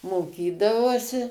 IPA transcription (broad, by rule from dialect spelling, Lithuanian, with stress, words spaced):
moːˈkʲiːdɐʋɐʊsʲɪ